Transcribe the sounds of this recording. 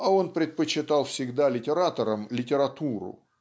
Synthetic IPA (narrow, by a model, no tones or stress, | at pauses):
ɐo̞npɾʲɪt̪̚pət͡ɕːɪt̪alˠfsʲɪɡd̪alʲɪtʲɪɾat̪əɾəmlʲɪtʲɪɾɐt̪uɾʊ̰